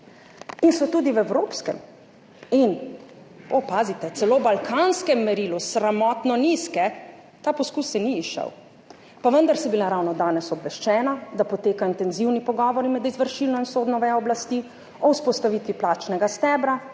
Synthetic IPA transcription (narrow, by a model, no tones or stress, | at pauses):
insɔt̪ud̪iwɛwɾoːpskɛ̰m | in | opaːzit̪ɛt̪sɛloːbalkʰaːnskɛmːɛɾilusɾamɔt̪nɔniskɛ | t̪apɔskusɛniːʃə̰w | paʋənd̪aɾsɛbilaɾawnɔd̪aːnɛsɔbʋɛʃt͡ʃɛːnad̪apɔt̪eːkaint̪ɛnziwnipɔɡɔːʋɔɾimɛd̪izʋəɾʃilnɔinsoːd̪nɔʋɛɔblast̪i | ɔuspɔst̪aʋit̪ʋiplaːt͡ʃnɛɡast̪ɛbɾa